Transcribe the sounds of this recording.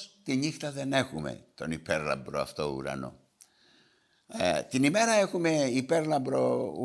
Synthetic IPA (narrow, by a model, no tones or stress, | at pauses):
t̪iɲixt̪ɐðe̞ne̞xume̞̰t̪o̞nipeɾlɐ̰mbɾoɐ̰ft̪o̞ṵɾɐ̰no̰ | t̪inime̞ɾɐe̞xume̞ipe̞ɾlɐmbɾo̞u